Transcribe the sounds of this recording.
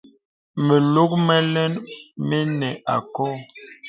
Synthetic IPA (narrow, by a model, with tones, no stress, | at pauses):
mə˨lo˦k̚mɛ˦lɛ˦nme˦nɛ˨a˨kɔ˦˨